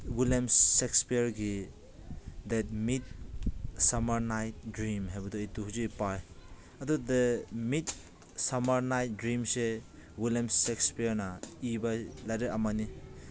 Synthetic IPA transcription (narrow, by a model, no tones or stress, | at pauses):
wilamsekspijɾɡi | dɛt̚mit̚ | samɐɾnajt̚dɾimɦajbɐduejtuɦuzipaj | ɐdudɐmit | samɐɾnajt̚dɾimsewiljamsekspijɐɾnɐibalajɾeamani